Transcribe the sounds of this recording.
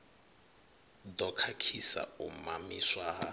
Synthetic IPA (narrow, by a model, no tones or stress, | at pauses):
d̪ɔkʰakʰisa̰umamiswaːɦa